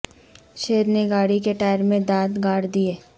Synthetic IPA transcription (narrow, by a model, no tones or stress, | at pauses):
ʃeːɾneɡaːɽikeʈaːɪɾmẽd̪aːt̪ɡaːɽd̪ieː